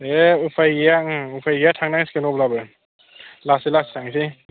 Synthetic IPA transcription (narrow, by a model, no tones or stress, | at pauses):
eupʰajɡijaupʰajɡejatʰaŋnaŋskenɔplabɯ | lasilassʰaŋsi